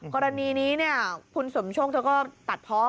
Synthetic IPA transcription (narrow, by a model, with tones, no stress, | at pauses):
kɔː˧ɾa˧niː˧niː˦˥ni˥˩ɐkʰu˧nso˩˦mt͡ɕʰoː˥˩k̚lɛː˦˧˥kɔː˥˩t̪a˨˩t̪̚pʰɔː˦˥